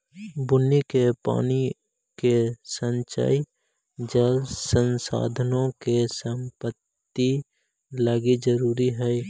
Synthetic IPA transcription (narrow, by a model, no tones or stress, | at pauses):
bʊnːikepa̰ːni | kesənt͡ʃa̰ːi | d͡ʒəlsənsa̰ːd̪ʱənõkesəmpət̪ːi | ləɡid͡ʒəɾuːɾiɦɛ